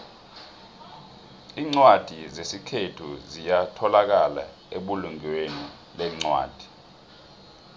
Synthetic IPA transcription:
iːŋ͡ǀwad̥ʱizesikʰetʰuzijatʰɔlak̬ala̰ | eɓuluŋweni | lɛŋ͡ǀwa̰ːd̥ʱi̥

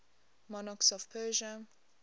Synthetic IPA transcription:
mɔnɔksɔfpʰɜːʒə

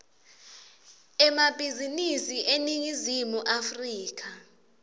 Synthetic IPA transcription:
ɛmab̥ʱizinisiʔeniŋizimuʔafriːk̬a

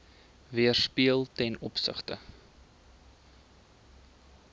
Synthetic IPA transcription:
viərspiəlˠtɛnɔpsə̰χtə̰

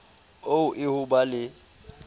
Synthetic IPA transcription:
oʊʔɪhʊbalɪ

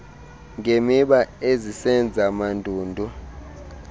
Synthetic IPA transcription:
ŋɡʱemiɓaezisɛnd͡zʱamandʱuːndʱu

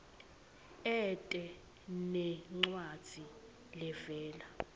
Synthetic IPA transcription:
ɛtʼɛ | nɛŋ͡ǃwad̥z̥ʱi | lɛvɛːla

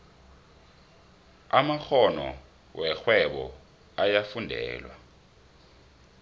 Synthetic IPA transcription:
amaxɔnɔ̰ | wʔɛxwɛɓɔ̰ | ajafundʱɛ̰ːlwa

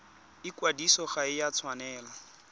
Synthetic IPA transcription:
ɪkwadisɔχaɪjat͡sʰwanɛːla

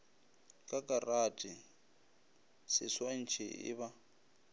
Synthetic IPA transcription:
kʼakʼaratʼi | sɪswan̩t͡ʃʰɛɪ̰βa

